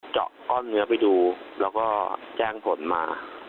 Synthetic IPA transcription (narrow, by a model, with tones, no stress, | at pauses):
t͡ɕɔ̰˨˩ʔkɔː˥˩nːɯ˦˥ɐpa˨˧jduː˧lɛː˦˥wkɔː˥˩t͡ɕɛː˥˩ŋpʰo˩˦nmaː˧